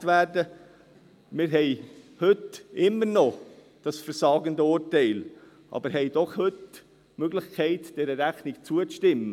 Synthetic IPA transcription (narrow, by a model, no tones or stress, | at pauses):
tʋæːɾdə | mɪɾɦɛɪhʏtɪmːəɾnɔ | d̥ɑsfəɾsɑːɡəndəʊɾtɛɪl | ʔɑ̰bəɾɦɛɪd̥ɔχhɵt | møɡlɪχkʰɛɪtd̥ɛɾəɾæχnɪɡt͡suət͡sʃtɪmːə